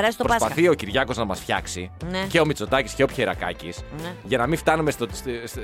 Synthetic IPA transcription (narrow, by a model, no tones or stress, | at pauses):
ɾɐst̪opɾopɐθio̞ciɾʝɐko̞znɐmɐsfçɐ̰ksineceo̞mit͡so̞t̪ɐcisce̞o̞pçeɾɐkɐ̰cisnʝɐnɐmiɱft̪ɐnumest̪oss